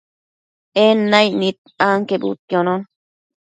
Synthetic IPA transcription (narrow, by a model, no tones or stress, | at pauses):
enːajnit̪̚aŋkebṵt̪jonon